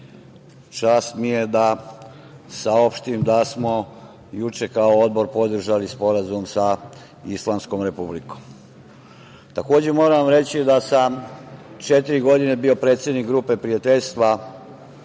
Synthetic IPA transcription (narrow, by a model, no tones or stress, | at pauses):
t͡ʃaːst̪mije̞d̪a | sao̞pʃt̪imd̪asmo | jut͡ʃe̞kaood̪̚bo̞ɾpo̞d̪r̩ʒalispo̞ɾazumsa | islˠaːmsko̞mɾe̞publikom | t̪ako̞ːd͡ʑe̞mo̞ːɾamɾe̞t͡ɕid̪asamt͡ʃe̞t̪iɾiɡo̞d̪ine̞bio̞pɾe̞t̪sjed̪nikɡɾuːpe̞pɾiat̪e̞ʎʲst̪ʋa